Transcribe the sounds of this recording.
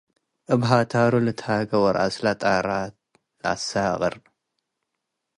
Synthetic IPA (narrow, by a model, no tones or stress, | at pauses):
ʔɨbɦat̪ʰaɾulɨt̪ʰhaɡɐwɔɾʔa̰slat̪ʼaɾa | lɨʔa̰saɣʼɨ̰ɾ